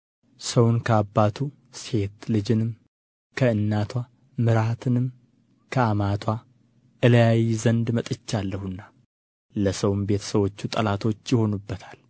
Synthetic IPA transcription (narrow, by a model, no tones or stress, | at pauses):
səwnkʰəabːat̪ʰu | se̞t̪lɨd͡ʒɪnɨm | kʰəɨnːat̪ʰwa | mɨɾat̪ʰɨnɨm | kʰəamat̪ʰwa | ʔɨləjajizənd̪mət̪ʼɨt͡ʃːalːəhunːa | ləsəwmbe̞t̪ʰə̥səwo̞t͡ʃːut̪ʼəlat̪ʰo̞t͡ʃːjɪho̞nubːət̪ʰḁl